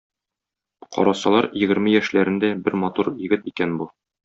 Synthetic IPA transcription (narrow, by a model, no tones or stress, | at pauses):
qɒ̰ɾɑsɑlˠɑɾjɘ̆ɡɘ̆ɾmɘjæʃlæɾɘ̆nd̪æbɘɾmɒt̪uɾjɘ̆ɡɘt̪ikænbu